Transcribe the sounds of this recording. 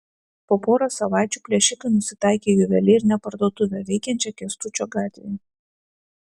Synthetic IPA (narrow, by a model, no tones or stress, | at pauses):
poːpoːɾɐsɐʋɑˑɪt͡ʃʲuːpʲlʲiɛʃʲɪkɐnʊsʲɪt̪ɑˑɪkʲeːjʊʋʲɛlʲɪɪɾʲnʲɛpɐɾd̪oːt̪ʊʋʲɛʋʲɛɪkʲɛnʲt͡ʃʲɛkʲɛst̪ʊt͡ʃʲoːɡɑːt̪ʲʋʲeː